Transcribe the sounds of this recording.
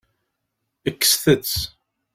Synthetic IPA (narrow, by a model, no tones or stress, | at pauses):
əkːə̥sθət͡sː